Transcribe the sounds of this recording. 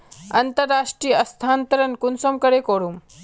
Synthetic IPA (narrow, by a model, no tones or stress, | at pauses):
ɐnt̪əɾːaːʂʈɾiːjəɐst̪ʰaːnt̪əɾɐnkunsomkɐɾekoɽum